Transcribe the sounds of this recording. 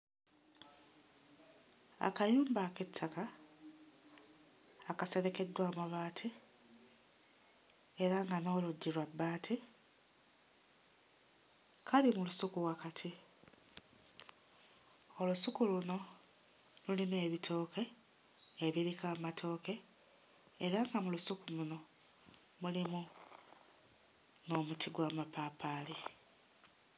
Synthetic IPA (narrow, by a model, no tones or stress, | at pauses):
a̰kajuːmbaːketʰːaka | kase̞ɾe̞ke̞dwaːmuβaːtʰi | eɾaŋɡano̞ːluɟːiɾwabːaːtʰi | kʰalimulusukuwakatʰi | o̞lusukuluno̞ | lulimue̞βitʰo̞ːke̞ː | βiɾikamatʰo̞ːke̞ː | ɾaŋɡamulusukuluno̞ | mulimu | no̞mutiɡwaːmapapaːli